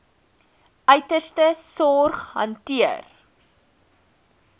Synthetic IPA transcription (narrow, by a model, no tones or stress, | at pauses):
ʔœɥtərstəsɔrχɦɐ̰ntiər